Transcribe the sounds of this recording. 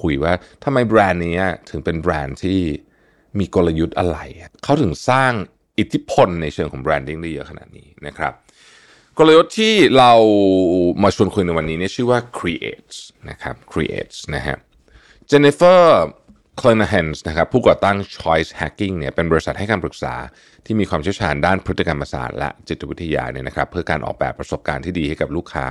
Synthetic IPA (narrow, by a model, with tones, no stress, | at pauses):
kʰu˧jwaː˥˩t̪ʰa˧ma˧jbɾɛː˧nːiː˦˥ɐt̪ʰɯ˨˩˦ŋpe˧nbɾɛː˧nt̪ʰiː˥˩ | miː˧ko˧la˧ju˦˥t̪̚ʔa˧ɾa˧ja˨˩kʰa˦˥wt̪ʰɯ˨˩˦ŋsaː˥˩ŋ | ʔi˨˩t̪ʰi˦˥pʰo˧nːa˧jt͡ɕʰɯː˧əŋʰɔː˩˦ŋbɾɛː˧ndi˥˩ŋdaː˥˩jɤ˦˥kʰa˧na̰˨˩t̪̚nḭː˦˥na˦˥kʰɾa̰˦˥p̚ | ko˧la˧ju˦˥t̪ʰːiː˥˩ɾa˧w | maː˧t͡ɕʰu˧ənkʰu˧jna˧jwa˧nːiː˦˥ni˥˩ɐt͡ɕʰɯː˥˩waː˥˩kʰɾi˧ʔḛː˨˩t̪̚sna˦˥kʰa̰˦˥p̚kʰɾḭ˧ʔḛː˩t̪̚sna˦˥kʰa̰˦˥ | t͡ɕe˧ni˧˥fɤː˥˩ | kʰleː˧na˧ɦɛ˧nsna˦kʰɾa˦˥pʰːuː˥˩kɔː˨˩t̪a˥˩ŋt͡ɕʰɔ˦˥jshɛ˦˥kːi˥˩ŋni˥˩ɐpe˧nbɔː˧ɾi˧sa˨˩t̪̚ha˥˩kaː˧pɾɯ˨˩k̚sa̰ː˩˦ | t̪ʰiː˥˩miː˧kʰwaː˧mt͡ɕʰi˥˩t͡ɕʰaː˧ndaː˥˩npʰɾɯ˦˥t̪ːi˧ka˧mpːa˧sa̰ː˨˩t̪̚lɛ̰˦˥t͡ɕi˨˩t̪̚ʰːa˧wi˦˥t̪ʰːa˧ja̰ː˧ni˥˩ɐna˦˥kʰɾa˦˥pʰːɯ˥˩ɐkaː˧nʔɔ̰˨˩k̚bɛ̰ː˨˩pːɾa˧so˨˩p̚kaː˧nt̪ʰiː˥˩diː˧ha˥˩jka˨˩p̚luː˥˩kʰːa̰ː˦